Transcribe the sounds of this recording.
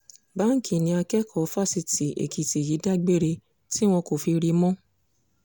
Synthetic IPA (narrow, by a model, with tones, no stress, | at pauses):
ba˦ŋ̩˦kʰi˨nĩ˨˧a˧kɛ˦kʰɔ˨˦fa˦˨si˧ti˨ʔḛ˨kʰi˨ti˨ji˨˦da˦ɡ͡be˦˨ɾe˧ | ti˦w̃ɔ̃˧ko˨fi˧ɾi˧mɔ̃˦